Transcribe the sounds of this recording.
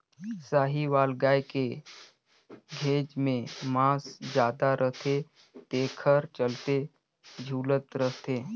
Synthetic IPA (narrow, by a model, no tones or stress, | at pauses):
saːɦiʋaːlɡaːjke | ɡʱeːd͡ʒmẽmãːsd͡ʒjaːd̪aɾəɦt̪ʰe | t̪eːkʰəɾt͡ʃəlt̪e | d͡ʒʱuːlət̪ɾəɦt̪eː